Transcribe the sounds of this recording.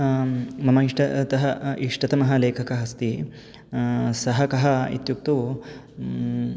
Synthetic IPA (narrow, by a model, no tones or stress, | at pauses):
mɐmɐiʂʈɐt̪ɐɦɐʔiʂʈɐt̪ɐmɐɦɐleːkʰɐkɐɦɐst̪i | sɐɦɐkɐɦɐḭt̪juk̚t̪u